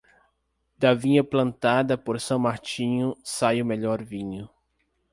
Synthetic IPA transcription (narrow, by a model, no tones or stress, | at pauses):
d̪̥ɐvĩɲɐplɐ̃nt̪ad̪ɐpoɾsɐ̃w̃maɾt͡ʃĩɲʊsajʊmeʎɔɾvĩɲʊ